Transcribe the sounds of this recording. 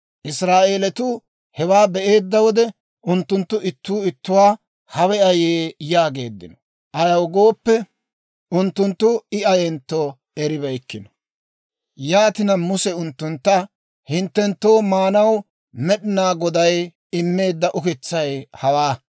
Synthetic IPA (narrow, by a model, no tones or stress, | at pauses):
ʔɪsɾaːʔe̞ːlɛt̪ʊ | hɛwaːbɛʔe̞ːd̪ːɐwɔd̪ɛ | ʊnt̪ːʊnt̪ːʊʔɪt̪ːuːɪt̪ːʊwaː | hɐwɛɐjeːjaːɡe̞̰ːd̪ːɪ̰nɔ̥ | ʔɐjɐwɡo̞ːpːɛ | ʊnt̪ːʊnt̪ːʊɪɐjɛnt̪ːo | ɛɾɪbɐjkːɪnɔ̥ | jaːt̪ɪnɐmʊsɛʊnt̪ːʊnt̪ːɐ | hɪnt̪ːɛnt̪ːo̞ːmaːnɐw | mɛɗɪnaːɡɔd̪ɐj | ɪmːe̞ːd̪ːɐʔʊkɪt͡sːɐjhɐwaː